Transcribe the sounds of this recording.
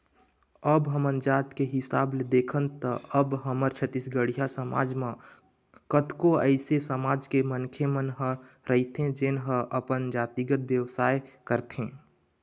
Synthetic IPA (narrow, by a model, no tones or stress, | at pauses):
əbɦəmə̃nd͡ʒaːt̪keɦɪsaːbled̪eːkʰənt̪əəbɦəməɾt͡ʃʰət̪isɡəɽijasəma̰ːd͡ʒmẽ | kət̪koəɪsesəmaːd͡ʒkemənkʰemənɦə | ɾəɦit̪ɦẽd͡ʒɪnɦə̃ʔəpənd͡ʒaːt̪iɡət̪̚ʋjəʋsaːekəɾt̪ɦẽː